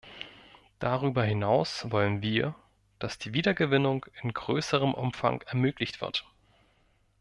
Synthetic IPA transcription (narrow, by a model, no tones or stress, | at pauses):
d̥aʁ̞yːbɐhɪnaʊsvɔlənviːɐ | d̥asd̥iːviːdɐɡəvɪnʊŋɪnɡʁøːsəʁ̞əmʔʊmfa̰ŋɛɐmøːklɪçtv̥ɪ̰ɐt